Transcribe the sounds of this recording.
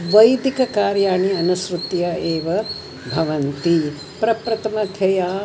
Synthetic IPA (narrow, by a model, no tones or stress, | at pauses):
ʋɐjd̪ikɐkaːɾjaːɳiɐnɐʃɾut̪jɐeːʋɐ | bʱɐʋɐnt̪i | pɾɐpɾɐt̪ɐmɐd̪ʰʱjɐjaː